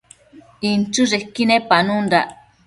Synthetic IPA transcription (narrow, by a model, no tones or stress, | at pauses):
int͡ʃuʐekːinẽpanũnɾaʔ